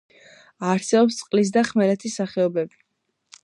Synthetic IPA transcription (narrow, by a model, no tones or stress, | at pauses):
aɾsɛbɔpst̪sʼqʼlis̬d̪aχmɛlɛt̪ʰisːaχɛɔbɛbi